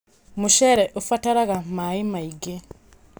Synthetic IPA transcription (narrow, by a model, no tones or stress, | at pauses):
muʃeɾeʔofataɾaɣamaimaiɡe